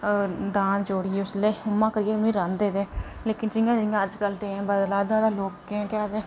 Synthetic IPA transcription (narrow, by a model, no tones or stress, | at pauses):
d̪aːnd͡ʒoːɽɪeːʊsleːʊmãːkəɾɪjeːʊnũːiːɾãnd̪eːd̪eː | leːkɪnd͡ʒɪjãːd͡ʒɪɪ̃jãːəd͡ʒkəlʈeːmbəd̪laːd̪ãːd̪aːloːkːẽːkaːd̪eː